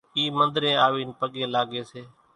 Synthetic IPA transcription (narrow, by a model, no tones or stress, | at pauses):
iːmə̃nd̪ɾẽːaːʋiːnpəɠẽːlaːɠeːseː